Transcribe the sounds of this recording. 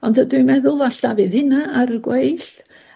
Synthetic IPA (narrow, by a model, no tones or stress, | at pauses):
ɔndədwimɛðʊlˠaɬd̥avɨðhɪnaaɾəɡwejɬ